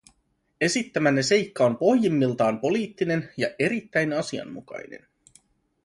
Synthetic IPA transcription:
e̞sit̪ːæmænːese̞jkːɑo̞mpo̞hjimːilt̪ɑːmpo̞liːt̪ːine̞njɑʔe̞ɾit̪ːæjnɑsiɑ̰nmukɑ̰jne̞̰n

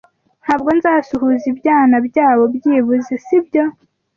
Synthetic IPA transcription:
n̥haːbɡo̞nzaːsuhuzibjaːnabjaːβo̞bjiːβuzesibjo̞

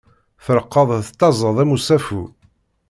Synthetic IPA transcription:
fəɾəqːəðˤθt̪ːɑzˤəðˤæmusæfu

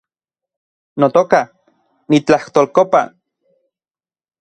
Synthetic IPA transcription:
not̪oka | nit͡ɬaht̪oːlkopa̰

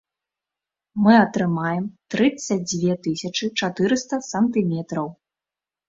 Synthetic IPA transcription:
mɨɐt̪ɾɨmajɛmt̪ɾɨt̪sɐd͡zʲvʲɛt̪ɨsʲɐt͡ʂɨt͡ʂat̪ɨɾɨst̪ɐsɐnt̪ɨmʲɛt̪ɾɐw

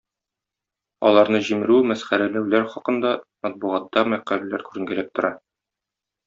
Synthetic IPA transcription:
ɒ̰lˠɑɾnɤʑimɘ̆ɾʉmæsχæɾælæwlæɾχɒqɤ̆nd̪ɑmæt̪̚buʁɑt̪ːɑmæqællæɾkʉɾɘ̆ŋɡælæp̚t̪ŏɾɑ

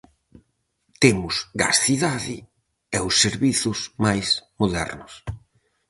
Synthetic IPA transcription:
t̪emʊsɡa̰sθiðaðɪ | ɛʊsːeɾβiθʊsmajsmoðɛ̰ɾnʊs

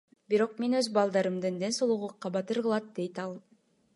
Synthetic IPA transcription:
biɾo̞q̚me̞nøzbɑlˠd̪ɑɾɯmd̪ɯnd̪ensolˠuʁuqːɑbɑt̪ɯɾʁɯlˠɑt̪̚d̪e̞jt̪ɑlˠ

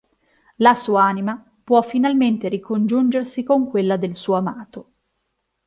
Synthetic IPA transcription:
lasuːaaːnima | pwɔfːinalment̪eɾikond͡ʒund͡ʒersikoŋkwelːad̪elsuːoamaːt̪o

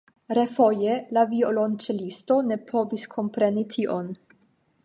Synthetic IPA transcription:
ɾefo̞jelaviolo̞nt͡ʃelisto̞ne̞pʰo̞viskʰo̞mpɾe̞nitʰiʔo̞n

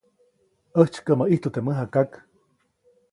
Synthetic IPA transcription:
əht͡ʃkəmaʔiht̪ut̪eməɦakak

